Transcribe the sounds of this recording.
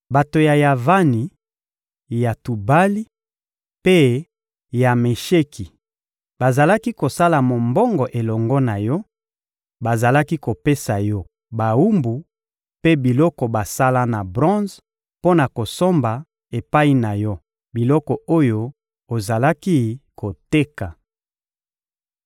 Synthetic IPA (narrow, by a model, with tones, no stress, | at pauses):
ba˨to˨ja˨ja˨va˦ni˨ | ja˨tu˨ba˦li˦ | pe˦ | ja˨me˨ʃe˦kʰi˨ | ba˨za˨la˦ki˦ko˨sa˦la˨mo˨mbɔ˦ŋɡɔ˨ʔe˨lɔ˨ŋɡɔ˦na˨jɔ˦ | ba˨za˨la˦ki˦ko˨pe˦sa˨jɔ˦ | ba˨wu˦mbu˨ | pe˦bi˨lɔ˦kɔ˨ba˨sa˦la˦na˨bʁɔ̃˦z | po˦na˨ko˨so˦mba˨ | e˨pa˦i˦na˨jɔ˦ | bi˨lɔ˦kɔ˨o˦jo˦ | o˨za˨la˦ki˦ko˨te˦ka˨